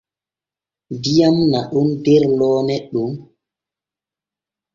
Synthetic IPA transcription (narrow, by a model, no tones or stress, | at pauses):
dijamnaɗundɛɾlɔːnɛɗum